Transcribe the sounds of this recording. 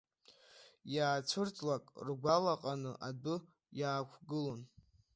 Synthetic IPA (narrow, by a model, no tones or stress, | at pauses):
jaːt͡sʷʰɨrtʰʼlakʼrɡʷalaqʼanɨʔadɨ | jaːkʷʰɡɨlon